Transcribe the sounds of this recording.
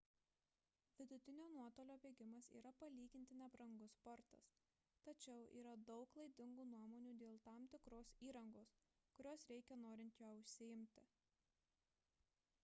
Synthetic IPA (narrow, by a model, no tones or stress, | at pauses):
ʋʲɪd̪ʊt̪ʲɪnʲoːnuɔt̪oːlʲoːbʲeːɡʲɪmɐsḭːɾɐpɐlʲiːɡʲɪnʲt̪ʲɪnʲɛbɾɐŋɡʊspɔɾt̪ɐ̰s | t̪ɐt͡ʃʲɛʊʔḭːɾɐd̪ɒʊklˠɐɪd̪ʲɪŋɡuːnuɔmoːnʲuːd̪ʲeːlˠt̪ɑːmt̪ʲɪkɾoːsiːɾɐŋɡoːs | kʊɾʲoːsɾʲɛɪkʲɛnoːɾʲɪnʲt̪ʲjoːʊʃʲsʲɪɪmʲt̪ʲɪ